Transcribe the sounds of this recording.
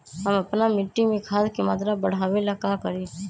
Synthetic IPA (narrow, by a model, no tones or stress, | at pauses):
ɦəməpnamɪʈːimẽkʰaːlkemaːt̪ɾabəɽ̤aːʋelakaːkəɾiː